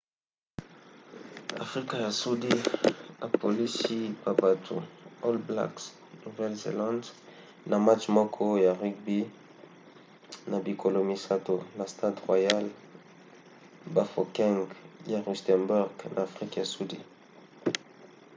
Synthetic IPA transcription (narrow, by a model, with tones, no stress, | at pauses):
a̰˨fʁi˦ka˨ja˨su˦di˦a˨pʰo˨li˦si˦ba˨ba˨tʰṵ˨o˦lbla̰˦ks | u˨vɛ˦lzḛ˨lã˦nd | na˨ma˦t͡ʃmɔ˦kʰɔ˦ja˨ʁi˦k̚bi˦ | na˨bi˨kʰo˨lo˨mi˨sa˨to˨na˨sta˦dʁwa˨ja˦l | ba˨fo˨kɛ̃˦ŋɡja˨ʁi˨stɛ˨nbu˦ʁɡnʔa̰ː˨fʁi˦kja˨su˦di˦˨